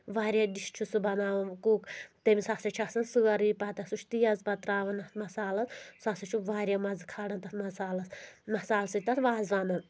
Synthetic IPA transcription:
ʋaːɾʲjad̪iʃt͡ʃʰusɨbɐnaːʋɐnkuːkt̪emʲisasɐt͡ʃʰasɐnsɨɐɾiːpat̪ɐsut͡ʃʰt̪ijɐzpɐt̪ɾaːʋɐnɐt̪mɐsaːlɐssasɐt͡ʃʰuʋaːɾʲjamɐzkʰaːɽɐnt̪ɐt̪mɐsaːlɐsmɐsaːlsɨt̪ɐt̪ʰʋaːzʋanɐn

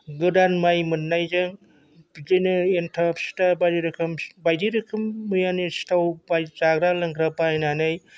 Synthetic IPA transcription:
ɡɯdanmajmɯnːajzɯŋ | bzɯnɯentʰapsi̥tabajdiɾɯkʰɯmbajdiɾɯkʰɯmːɯjanisi̥tawbajzaɡɾalɯŋɡɾapaajnanɯj

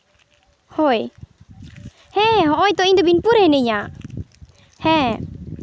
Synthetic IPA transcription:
hɔj | hɛ̃ɦɔ̃ʔɔjt̪ɔiɲd̪ɔbinpuɾɛnɛɲa | hɛ̃

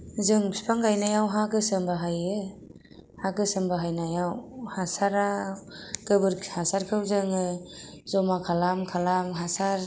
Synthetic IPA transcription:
zɯŋbspʰaŋɡajnajawɦakɯsɯmbaɦajɯ | hakɯsɯmbaɦajnajawhasaɾa | kɯbɯɾhasaɾkʰɯwzɯŋɯzɔmakʰalamkʰalamɦasaɾ

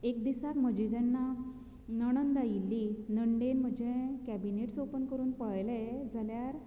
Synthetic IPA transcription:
ekd̪isat̪m̤əd͡ʑid͡zɛnːa | nəɽ̃ənd̪ajilːinəɳɖenm̤əd͡ʑẽkæbineʈsopənkəɾuːnpəɭled͡zʱaljaɾ

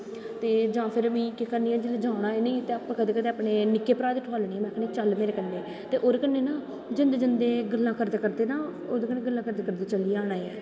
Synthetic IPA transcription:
t̪eːd͡ʒãːpʰɪɾmĩːkekəɾniːɛːd͡ʒeːleːd͡ʒãːɽaːeːnĩːt̪eːapãːkəd̪eːkəd̪eːapɳeːnɪkːeːpɾaːd̪ʈʰaːlɳiːɛːmɛ̃ːkəneːt͡ʃəlmeːɾeːkənːeː | t̪eːʔoːɾekənːeːnãː | d͡ʒɪnd̪eːd͡ʒɪnd̪eːɡəlːãːkəɾd̪eːkəɾd̪eːnãː | oːd̪eːkəneːɡəlːãːkəɾd̪eːkəɾd̪eːt͡ʃəliːaːnaːeɛː

